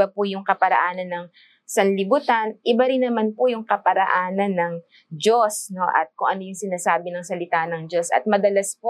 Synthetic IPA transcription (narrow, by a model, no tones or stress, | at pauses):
apʊjʊŋkɐpɐɾɐ̰ʔaːnɐnːɐŋ | sɐnlɪbut̪anʔɪbaɾɪnːɐmanpʊjʊŋkɐpɐɾɐʔaːnɐnːɐŋ | d͡ʒo̞sno̞ʔɐ̰t̪̚kʊŋʔɐnojʊŋsɪnaːsaːbɪnɐŋsɐlɪt̪aːnɐŋd͡ʒo̞sʔɐ̰t̪̚mɐd̪ɐlɐspo